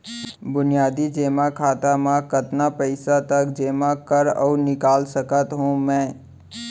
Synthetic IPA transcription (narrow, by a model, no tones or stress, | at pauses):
bʊnijaːd̪id͡ʒeːmakʰaːt̪amãkət̪napəɪsat̪ɐkd͡ʒeːmakəɾɔ̰ːɾnɪkaːlsəkət̪ɦũmɛ̃ː